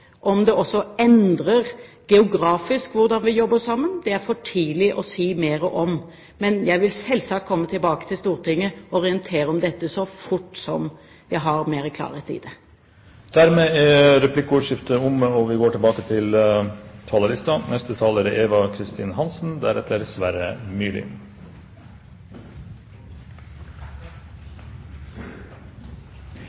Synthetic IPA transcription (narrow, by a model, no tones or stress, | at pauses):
ʔɔmd̪ɛʔɔsːɔɛnd̪ɾəɾ | ɡ̥ɛʊɡɾɑːfɪskʋʊɾd̪ɑnʋɪjɔbːəsɑmːənd̪ɛæɾfɔʈʰiːlɪʔɔsiːmeːɾəʔɔm | mɛnjæɪʋɪlsɛlːsɑkt̪̚kʰɔmːət̪ʰɪlbɑːkə̥t̪ʰɪlst̪uːɾʈ̪ɪŋːəɔɾɪənt̪ʰeːɾəɔmd̪ɛt̪ːəsɔfʊʈːsɔm | ʋæɦɑɾmeːɾəkʰlɑ̰ːɾet̪ḭːd̪ɛ | d̪̥æɾmeːæɾɛpʰlɪkːʊʊːʂɪft̪əʊmɔʋɪɡoːʈʰɪlbɑːkət̪ʰɪl | t̪ʰɑləɾɪst̪ɑnɛst̪ət̪ʰɑːləɾeːʋɑkʰɾɪst̪iːnhɑnsn̩d̪æɾɛ̰t̪ːəɖsʋæɾəmyːlɪ̰